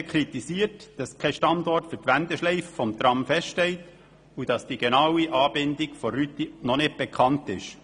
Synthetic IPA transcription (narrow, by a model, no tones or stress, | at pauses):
kʰɾit̪isiːətd̥ɑskʰɛʃtɑndɔrtfʏtʋændɛʃlɛɪffɔmt̪ɾɑmfɛsttɛlt | ud̥ɑsd̥iɡ̥enɑwiʔɑːbɪndikfɔɾyt̪inɔnɪt̚b̥ɛkʰɑntɪ̰ʃ